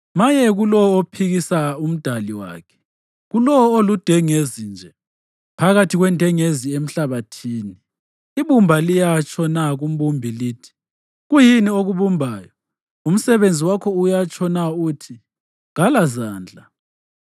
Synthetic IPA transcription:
majɛɣulɔɔopʰiɣisaum̩d̥ʱaliwa̰ːkʰɛ̥ | ɣulɔɔolud̥ʱɛŋezind͡ʒʱɛ | pʰaɣatʰiɣwɛndʱɛŋeziem̩ɬaβatʰiːniː | βumbʱalijat͡ʃʰʼɔnaɣum̩βumbʱiliːtʰi̥ | ɣujinioɣuβumbʱaːjɔ | um̩sɛβend͡zʱiwakʰɔujat͡ʃʰʼɔnautʰi | ɣalazaːnd͡ɮʱa

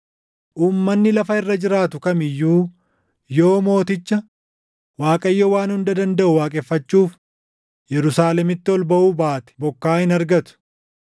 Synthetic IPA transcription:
ʔuːmːɐnːɪlɐfɐɪrːɐd͡ʒɪɾaːt̪ʊkɐmɪjːuː | jo̞ːmo̞ːt̪ɪt͡ʃːɐ | waːkʼɐjːɔwaːnhʊnd̪ɐd̪ɐnd̪ɐʔʊwaːkʼɛfːɐt͡ʃːuːf | jɛɾʊsaːlɛmɪt̪ːɪɔlbɐʔuːbaːt̪ɛ̥bɔkːaːhɪnɐɾɡɐt̪ʊ̥

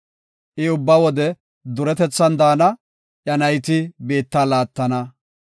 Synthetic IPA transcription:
ʔɪʊbːɐwɔd̪ɛ | d̪ʊɾɛt̪ɛt͡sːɐnd̪aːnɐ | ʔjɐnɐjt̪ɪbe̞ːt̪ːaːlaːt̪ːɐnɐ

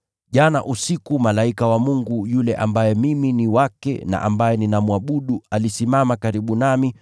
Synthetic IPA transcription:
ʄana̰ʔusikumalaikawamuŋɡujulɛʔa̰mbajɛmiminiwakɛ̰na̰ʔambajɛninamuaɓuɗualisimamakaɾiɓunami

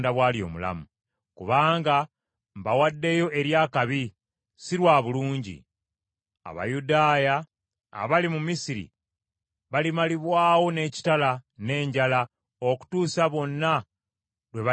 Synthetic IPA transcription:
ndaβwaːljo̞ːmula̰mu | kuβaːŋɡa | mbawadːe̞jo̞ʔe̞ɾjaːkaβi | silwaːβuluːɲɟḭ | a̰βa̰judaːja̰ː | βalimumisiɾḭ | βalimaliβwaːwo̞ne̞ci̥talane̞ːɲɟala | oku̥tuːsaβo̞nːa | lwe̞βa

